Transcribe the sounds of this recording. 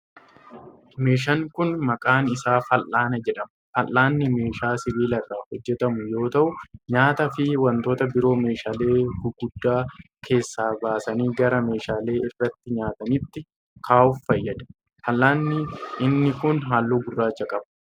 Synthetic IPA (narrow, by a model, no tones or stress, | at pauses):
me̞ːʃɐŋkʊnmɐkʼaːnɪsaːfɐlʔaːnɐd͡ʒɛᶑɐmɐfɐlːaːnːɪme̞ːʃaːsɪβiːlɐrːaːhɔd͡ʒːɛt̪ɐmʊjo̞ːt̪ɐʔʊɲaːt̪ɐfɪwɐnt̪o̞ːt̪ɐbɪɾo̞ːme̞ːʃaːle̞ːɡʊɡʊd̪ːaː | kʰe̞ːsːaːbaːsɐniːɡɐɾɐme̞ːʃaːle̞ːɪrːɐt̪ːɪɲaːt̪ɐnɪt̪ːɪ | kʰaːʊffɐjːɐd̪ɐ̥ | fɐlːaːnːɪɪnːɪkʊnɦaːlːuːɡʊrːaːt͡ʃːɐkʼɐb